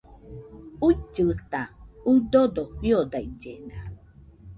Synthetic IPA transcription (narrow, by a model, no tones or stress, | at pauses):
uit͡ʃːɯt̪audodojodaid͡ʒena